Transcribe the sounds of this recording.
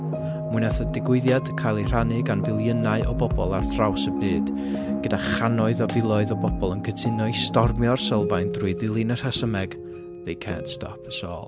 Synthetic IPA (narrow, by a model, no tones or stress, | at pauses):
mʊɨnaθədɪɡwɪðjad̥kʰajlˠir̥anɪɡanvɪlˠjənaɨʔɔbɔbɔlˠarθrawsəbɨːd̥ | ɡ̥ədaχanɔɨðɔvɪlˠɔɨðɔbɔbɔlˠənkʰətʰɪnɔistɔrmjɔrsəlˠvajndruɨðɪlˠɨnər̥asəmɛɡ̥ | ðejkʰɛ̰ːntstʰɔ̰pʰəsɔ̰ːlˠ